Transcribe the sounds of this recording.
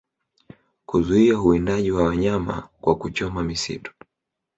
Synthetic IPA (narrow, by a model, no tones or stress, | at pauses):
kuzuiauindaʄiwawaɲama̰kwakut͡ʃɔmamisḭtɔ̥